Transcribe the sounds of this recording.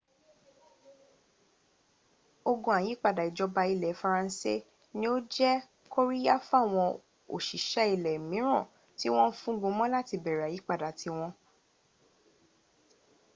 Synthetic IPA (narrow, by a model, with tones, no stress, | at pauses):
o˧ɡũ˧˨a˨ji˨˦k͡pa˦˨da˨i˨d͡ʒɔ˧ba˧i˧lɛ˨fa˧ɾã˧n̩˦se˦ | nĩ˦o˦d͡ʒɛ˦ | ko˦ɾi˦ja˦fa˦˨w̃ɔ̃˧ | o̰˨ʃi˨ʃɛ˦i˧˨lɛ˨mĩ˨˦ɾ̃ɔ̃˦˨ | ti˦w̃ɔ̃˦fũ˦ɡũ˧mɔ̃˦la˦ti˧bɛ˨ɾɛ˨a˨ji˨˦k͡pa˦˨da˨tʰi˧w̃ɔ̃˧